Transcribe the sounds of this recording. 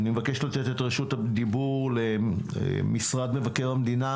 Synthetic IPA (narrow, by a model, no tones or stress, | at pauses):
nimevakeʃlat̪etetʁeʃutad̪ibuʁlḛ | misʁad̪mevakeʁamd̪ina